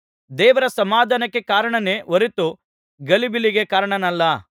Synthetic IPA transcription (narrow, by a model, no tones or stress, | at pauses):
d̪ɛːʋɐɾɐsɐmaːd̪ʱanɐkːekaːɾɐɳɐne̞ːʋɐɾit̪u | ɡɐlibiliɡekaːɾɐɳɐnɐlːɐ